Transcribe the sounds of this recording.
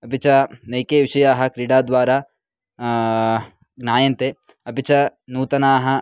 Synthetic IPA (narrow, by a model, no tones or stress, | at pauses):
ɐpit͡ʃɐnɐjkeːʋɪʃɐjaːɦɐ̆kɾiɽaːd̪ʋaːɾaː | ɡnaːjɐnt̪e | ɐpit͡ʃɐnuːt̪ɐnaːɦɐ̆